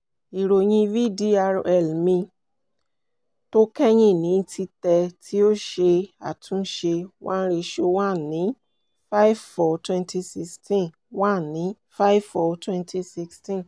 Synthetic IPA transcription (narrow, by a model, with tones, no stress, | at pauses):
i˨ɾo˨j̃ĩ˧vi˦di˦a˧ɾɛ˨lmĩ˧ | to˦kɛ˦ɲ̃ĩ˦˨nĩ˨˦tʰi˧tɛ˧tʰi˦o˦ʃe˧a̰˨tʰũ˨˦ʃe˧wʔã̰˦n̩˦ɾe˧ʃo˧wa˦˨nĩ˨˦ | fa˦i˦vfɔ˧˨twɛ̃˧nti˧si˧kstĩ˦ | wa˦˨nĩ˨˦ | fa˦i˦vfɔ˧twɛ̃˦˧ntʰi˧si˧kstĩ˦˨